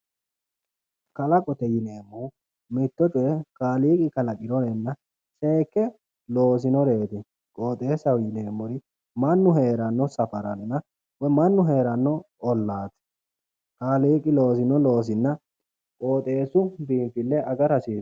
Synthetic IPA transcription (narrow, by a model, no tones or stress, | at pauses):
kɐlɐkʼɔt̪ɛjɪleːmːɔʊ | mɪt̪ːɔt̪ʊɛkaːliːkʼɪkɐlɐkʼɪɾɔnɛnːɐ | seːkːɛ | lo̞ːs̬ɪnɔɾe̞ːt̪ɛ | kʼoːt̪ʼeːsɐwjɪleːmːɔɾɪ | mɐnːʊɦe̞ːɾɐnːɔsɐfɐɾɐnɪnɐ | wɔmɐnːʊɦe̞ːɾɐnːɔ | ɔlːaːt̪ɛ̥ | kaːliːkʼɪlo̞ːsɪnɔloːs̬ɪnːɐ | kʼoːt̪ʼe̞ːsʊbiːmfɪlːɛʔɐɡɐɾɐsiː